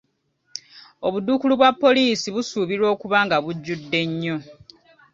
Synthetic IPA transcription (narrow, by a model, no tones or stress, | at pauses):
o̞βudːukuluβwapːo̞liːsiβusuːβiɾo̞ːkuβaːŋɡaβuɟːudːe̞ɲːo̞